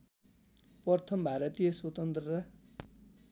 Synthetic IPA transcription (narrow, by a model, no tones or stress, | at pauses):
pʌrt̪ʰʌmbʱaɾʌt̪ijʌswʌt̪ʌnt̪rʌrʌ